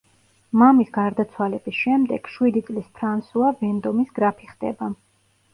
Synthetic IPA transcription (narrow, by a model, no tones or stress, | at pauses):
mamisɡaɾd̪at̪sʰwalɛbisʃɛmd̪ɛɡ̥ʃwid̪it̪sʼlispʰɾansuavɛnd̪ɔmisɡɾapʰiχd̪̥ɛ̰ba